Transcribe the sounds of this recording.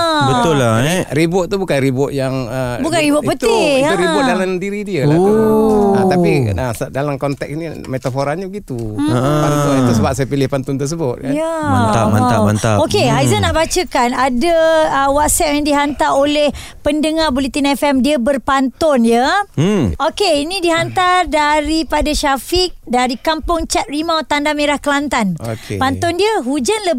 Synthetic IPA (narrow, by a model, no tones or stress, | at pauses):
bət̪ʊlaɾibʊʔ̚t̪ubukanɾibʊʔ̪̚jaŋəbukanribʊʔpət̪ɪɾibʊdalamdiɾidiə | at̪apiəsdalamkɔnt̪ɛksni | met̪afoɾaɲəbəɡit̪upant̪ʊnt̪əsəbap̚sajapilɪhpant̪ʊnt̪ərs̬əbʊt̪̚kajaat̪amaaant̪aokeɦajzənaʔbat͡ʃəkanadəəwat̪̚sɛp̚jaŋdiɦant̪aolɛh | pəndəŋarbolit̪inɛfɛmdiəbərpant̪ɔnjə | okeinĩdiɦant̪ardaɾipadaʃafik̚daɾikampʊŋt͡ʃat̪̚rimãt̪ːandameɾahkəlant̪ano̰kepant̪ɔndiəɦud͡ʒanlə